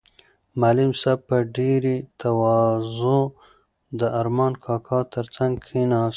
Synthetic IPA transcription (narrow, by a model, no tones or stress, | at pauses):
malɪmsab̚pəɖeɾit̪awɑzo | d̪əaɾmɑːnkʰɑːkʰɑt̪əɾt͡saŋɡkʰinɑs